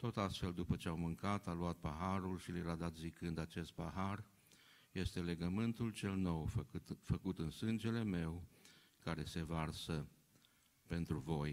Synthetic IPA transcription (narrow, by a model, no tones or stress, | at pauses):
t̪o̞t̪ast̪fe̞ld̪upət͡ʃe̞awmɨŋkat̪aluat̪̚paɦaɾulʃiljeɾad̪at̪zikɨnd̪at͡ʃe̞st̪̚paɦar | je̞st̪e̞le̞ɡəmɨnt̪ult͡ʃe̞lno̞wt̪fəkut̪ɨnsɨnd͡ʒe̞le̞me̞w | kaɾe̞se̞varsə | pe̞nt̪ɾuvo̞j